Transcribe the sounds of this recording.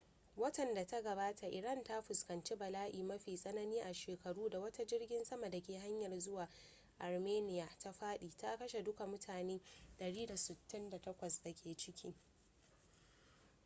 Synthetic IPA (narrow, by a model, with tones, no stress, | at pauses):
wɐ˦tɐ˨nda˨ta˦ɡɐ˨baː˦tʰa˨ʔɪ˨ɾɐ˦˨nta˦ɸʊ˨skɐ˨nt͡ʃi˦bɐ˨laː˦ʔiː˨mɐ˦ɸiː˨sʼɐ˦nɐ˦niː˦ʔa˨ʃeː˨kɐ˨ɽuː˦da˨wɐ˦ta˦d͡ʒɪ˦rɡʲɪ˦nsɐ˦ma˨da˨kʲeː˨ɦa˦ɲjɐ˨rzʊ˦waː˨ | ʔa˨rmeː˦nɪ˦ja˨ta˦ɸaː˦ɗiː˨ta˦kɐ˦ʃe˨dʊ˦ka˨mʊ˦tʰaː˨neː˦ɗɐ˨ɽiː˦da˨sɪ˨tːɪ˦nda˨tɐ˦kʷɐ˨sda˨kʲʰeː˨t͡ʃɪ˦kʲʰiː˦